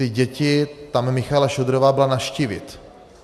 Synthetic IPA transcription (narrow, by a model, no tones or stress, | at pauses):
ɪɟɛcɪt̪amːɪxalaʃod̪ɾovaːbɪlanaʃciːvɪ̰t̪